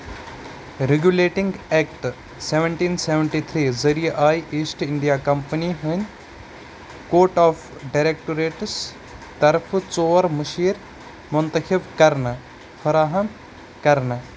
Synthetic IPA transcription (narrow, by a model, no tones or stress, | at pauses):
ɾeɡjuleːʈiŋɡeːkʈ | seʋəɳʈiːnseʋəɳʈit̪ʰɾiːzɐɾijeʔaːjiːsʈɪɳɖijaːkɐmpəniɦənʲ | koːɾʈaːfʰɖajɾeːk̚ʈoɾeːʈs | t̪ɐɾfʰt͡soːɐɾmuʃiːɾ | mʊnt̪ɐkʰibkɐɾnɐ | fʰɐɾaːɦɐm | kɐɾnɐ